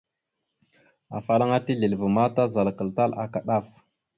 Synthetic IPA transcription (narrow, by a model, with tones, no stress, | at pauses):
a̰˨fa˨la˦ŋa˦ti˦ɮi˨lvə˨ma˦ta˦za˨lkə˨lta˦la̰˨ka˨ɗa˦˨f